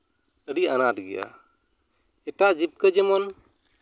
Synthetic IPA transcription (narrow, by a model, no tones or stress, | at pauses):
əɾianatɡɛja̰ | ɛʈaʔd͡ʒip̚kəd͡ʒɛmɔn